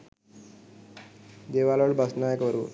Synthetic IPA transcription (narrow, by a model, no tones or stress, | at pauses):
d̪eʋaloɽbʱəsnajəkʋəɾuː